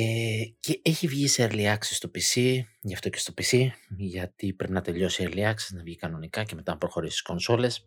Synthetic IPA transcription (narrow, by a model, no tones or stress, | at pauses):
ece̞eçivʝiseɐɾliɐksist̪o̞pisiʝɐft̪o̞ce̞st̪o̞pisiʝɐt̪ipɾe̞pinɐt̪e̞ʎo̞sieɾliɐksiznɐvʝikɐno̞nikɐce̞me̞t̪ɐnɐpɾo̞xo̞ɾist̪i̥sko̞nso̞le̞s